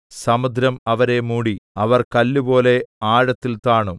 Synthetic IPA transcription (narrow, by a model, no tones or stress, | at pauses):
sɐmud̪ʱɾɐmɐʋɐɾe̞muːɽiɐʋɐrkɐlːubo̞ːle̞aːɻɐt̪ːilt̪aːɳu